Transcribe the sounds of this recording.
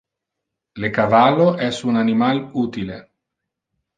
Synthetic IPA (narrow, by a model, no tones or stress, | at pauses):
lekavalːoʔɛsunanimaluːt̪ile